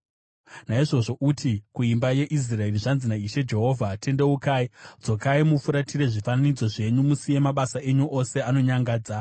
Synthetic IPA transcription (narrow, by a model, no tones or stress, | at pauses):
naiʐo̞ʐo̞ʔutʰikuimbaje̞ʔis̬rae̞riʐanzinaiʃe̞d͡ʒe̞ɦo̞ːvʱate̞nde̞ukaːid͡zo̞kaimufuɾatʰiɾe̞ʐifananid͡zo̞ʐe̞ɲumusije̞maɓasaʔe̞ɲuʔo̞se̞ano̞ɲaŋɡaːd͡za